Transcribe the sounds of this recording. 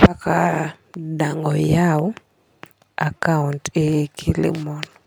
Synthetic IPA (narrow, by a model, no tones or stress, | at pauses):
paka | daŋɡɔjawʊ | akauntekʰilɪ̰mɔn